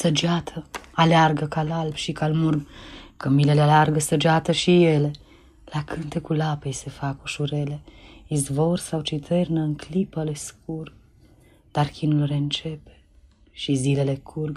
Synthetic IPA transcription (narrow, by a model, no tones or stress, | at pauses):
səd͡ʒat̪ʰəalearɡəkalalbʃikalmurkəmile̞lealearɡəsəd͡ʒeat̪əʃije̞le̞ | lakʰɨnt̪e̞kulapejse̞fakuʃuɾe̞le̞izvo̞rsawt͡ʃit̪ʰernəɨŋklipəle̞sk̚ur | d̪̥arkʲinulre̞ɨnt͡ʃe̞pe̥ | ʃizile̞le̞kʰurɡ